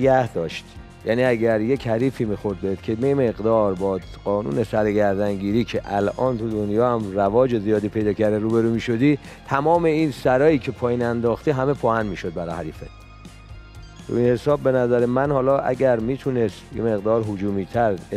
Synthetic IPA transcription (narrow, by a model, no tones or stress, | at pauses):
ɡæhd̪ɒːʃt̪ | jæniːæɟæɾje̞chæɾiːfiːmiːxo̞ɾd̪̚bed̪̥cʰe̞meme̞ɣd̪ɒːɾbɒː | ɢ̥ɒːnṵːnesæɾeɡæɾd̪æŋɟiːɾiːcʰeʔælʔɒːnt̪ʰud̪o̞njɒːhæmrævɒːd͡ʒezijɒːd̪iːpʰe̞jd̪ɒːcʰæɾd̪eɾuːbe̞ɾuːmiːʃo̞d̪iː | t̪ʰæmɒːme̞insæɾɒːjiːcʰe̞pʰɒːjiːnænd̪ɒːxt̪iɦæme̞pʰɒːhænmiːʃo̞d̪̚bæɾɒːhæɾiːfḛ | t̪ʰṵinhe̞sɒːbːe̞næzæɾemænhɒːlɒːʔæ̰ɟæɾmiːt̪ʰunest̪jḛme̞ɣd̪ɒːɾɦod͡ʒuːmiːt̪ʰæɾ